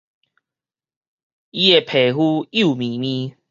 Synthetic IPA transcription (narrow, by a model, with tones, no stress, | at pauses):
i˦e˨pʰe˨ɦu˦u˥˨mĩ˨˦mĩ˦